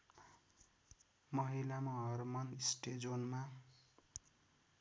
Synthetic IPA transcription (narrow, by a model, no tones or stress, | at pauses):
mʌɦilamaɦʌrmʌnsʈed͡zonma